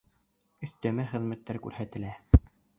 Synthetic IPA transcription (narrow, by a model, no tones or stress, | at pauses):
ɵ̆θt̪æmæχɘ̆ðmæt̪ːæɾkʉ̰ɾhæt̪ɘ̆læ